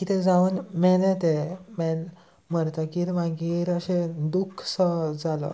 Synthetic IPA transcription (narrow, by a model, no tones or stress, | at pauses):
kit̪ʰɛ̃d͡zaʋunmɛlẽt̪emɛn | məɾt̪akiɾmaɡiɾəɕed̪ukʰsəd͡zalɔ̰